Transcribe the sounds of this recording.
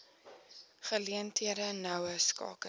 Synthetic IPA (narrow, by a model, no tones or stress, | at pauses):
χəliəntʰiəɾənœwəskɑ̰ːkə